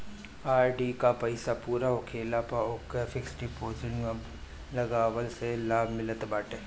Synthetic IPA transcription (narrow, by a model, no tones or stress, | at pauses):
aːɾɖikapɐɪsapuːɾaɦokʰeːlapaokefɪksʈipoːd͡ʒɪn | lɐɡaːwəlselaːbʱmɪlət̪baːʈeː